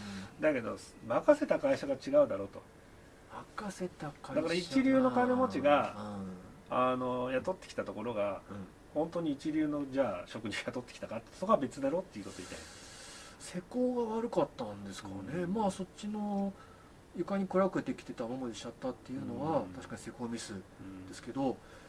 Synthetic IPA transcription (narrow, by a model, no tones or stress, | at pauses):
d̪ake̞d̪o̞̰makase̞t̪akaiɕaɡat͡ɕiɡaɯ̟d̪aɾo̞ːt̪o̰ | makase̞t̪akad̪akaɾait͡ɕiɾʲɨːno̞kane̞mo̞t͡ɕiɡa | ano̞jat̪o̞t̪ːekʲi̥t̪at̪o̞ko̞ɾo̞ɡa | hõ̞nt̪o̞ːɲ̟iːt͡ɕiɾʲɨːno̞d͡ʑaːɕo̞kɯ̟d͡ʑijat̪o̞t̪ːekʲi̥t̪akat̪ːesokoabe̞t͡sɨd̪aɾo̞ːt̪ːe̞iɯ̟ko̞t̪o̞it̪a̰jna | se̞ko̞ːɡaβaɾɯ̟kat̪ːãnd̪e̞sɨ̥kaɾne̞maːso̞t͡ɕino̞ | jɯ̟kaɲ̟ikɯ̟ɾakɯ̟et̪e̞kʲi̥t̪e̞t̪amamod̪eɕat̪ːat̪ːe̞jɯ̟ːno̞βat̪aɕi̥kaɲise̞ko̞ːmʲisɨd̪e̞sɨ̥ke̞d̪o̞